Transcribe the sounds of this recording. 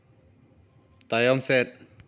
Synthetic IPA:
t̪ajɔmsɛt̪̚

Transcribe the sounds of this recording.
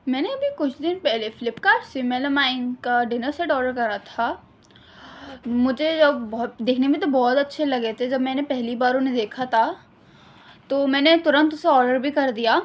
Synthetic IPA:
mɛ̃ːneɐbʱikʊt͡ʃʰd̪ɪnpɛɦlefɪlɪpkasɪmeləmaːɪ̃nkaɖɪnəɾseʈɔːɖəɾkɐɾnat̪ʰa | mʊd͡ʒʱed͡ʒɐbbɔːd̪eːkʰnebʱĩt̪̬obɔːt̪ɐtːʃʰelɐɡet̪ʰed͡ʒɐbmɛ̃ːnepɛɦlibaːɾonẽd̪eːkʰat̪ʰa | t̪oːmɛ̃ːnet̪ʊɾə̃nt̪ʊseɔːɾɖəɾbʱikɐɾd̪ijaː

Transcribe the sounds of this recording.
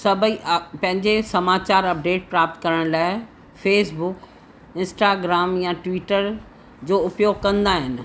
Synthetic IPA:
sɐbʱipɐ̃ɦɪ̃ɲd͡ʑesɐmaːt͡ɕaːɾɐp̚ɖeːʈ̚pɾaːp̚t̪kɐɾəɽ̃laːɪ | feːsbʊk | ɪ̃nsʈaːɡɾaːmjaʈʋiːʈəɾ | d͡ʑoːʊpjoːɡkɐ̃nd̪aːɦɪnɪ̆

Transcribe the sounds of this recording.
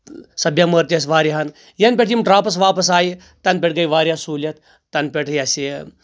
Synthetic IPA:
sɐbʲjɐməɾt̪ʲɐsʋaːɾjiɦɐn | jɐnpʲeʈʰjimɖɾaːpɐs̬ʋaːpɐsaːji | t̪ɐnpʲeʈ̚ɡɐjʋaːɾʲijasuːlʲɐt̪ | t̪ɐnpʲeʈʰjɐsi

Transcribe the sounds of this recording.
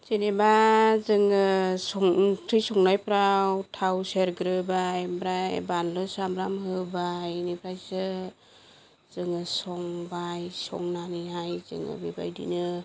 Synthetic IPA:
t͡ʃenebazɯŋɯsɔŋtʰɾijsɔŋnajpɾawtʰawseɾɡɾɯbajmbɾajbanlɯsamɾamhɯbajnipʰɾajsɯ | z̥ɯŋɯsɔŋbajsɔ̰ŋnaniɦajzɯ̰ŋɯ̰beba̰jdḭnɯ

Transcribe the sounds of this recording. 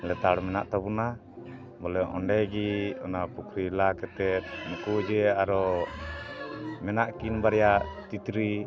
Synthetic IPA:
lɛt̪aɽmɛnaʔt̪abuna | bɔlɛʔɔɳɖɛɡiɔnapukɾilakɛt̪ɛt̪̚nukud͡ʒɛaɾɔ | mɛnaʔkinbaɾjat̪it̪ɾi

